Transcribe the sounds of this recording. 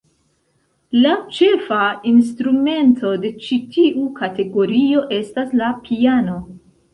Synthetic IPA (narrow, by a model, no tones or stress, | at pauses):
lat͡ʃe̞fainstɾume̞ntʰo̞de̞t͡ʃitʰiʔukʰate̞ɡo̞ɾio̞ʔe̞staslapʰiano̞